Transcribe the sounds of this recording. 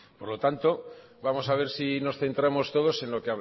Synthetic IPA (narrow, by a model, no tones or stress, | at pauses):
po̞ɾlo̞t̪ant̪o̞ | βamo̞saβe̞ɾsino̞sθe̞nt̪ɾamo̞st̪o̞ð̞o̞se̞nlo̞keaβ